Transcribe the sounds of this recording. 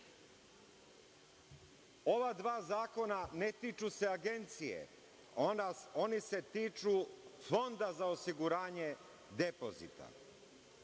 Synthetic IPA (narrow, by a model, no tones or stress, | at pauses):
o̞ʋad̪ʋaːzaːko̞nanet̪it͡ʃuse̞aɡe̞nt̪sijḛ | onao̞niset̪iːt͡ʃufo̞nd̪azaosiɡuɾaːɲe̞ | d̪epo̞zḭt̪a̰